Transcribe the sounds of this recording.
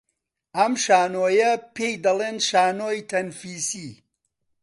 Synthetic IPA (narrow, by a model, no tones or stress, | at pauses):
ɐmʃaːnoːjɐpʰejd̪ɐlˠeːnʃaːnoːjt̪ʰɐnfiːsi